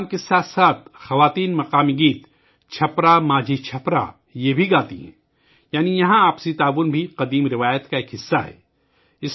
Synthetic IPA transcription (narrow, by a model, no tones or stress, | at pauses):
mkesaːt̪saːt̪̚ʰxɐʋaːt̪iːnmɐqaːmiɡiːt̪ | t͡ʃʰɐpɾamaːd͡ʒit͡ʃʰɐpɾa̰ | jebʱiɡaːt̪ḭɦɛ̰̃ː | jaːnijɐɦãaːpsit̪aːʋʊnbʱiqɐd̪iːmɾɪʋaːjət̪kaeːkɦɪsːaɦɛ̰ː | ɪs